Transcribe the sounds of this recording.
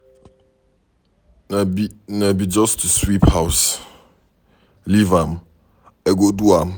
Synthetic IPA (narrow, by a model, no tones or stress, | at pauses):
nɛbinɛbid͡ʒɔstʰuswiphaws | livam | ɛɡoduam